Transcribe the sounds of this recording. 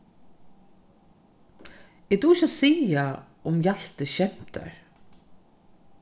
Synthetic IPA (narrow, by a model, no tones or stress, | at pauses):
ɛd̪uɪʃasiːa | ʊmjal̥t̪ɪɕɛm̥t̪ʰa̰ɹ